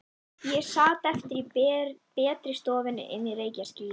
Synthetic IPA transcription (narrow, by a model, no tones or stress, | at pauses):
jɛsaːt̪ɛft̪ɪɾipɛːt̪ɾɪst̪ɔːvɪnɪ̰ʔɛ̰nireːjcascɪl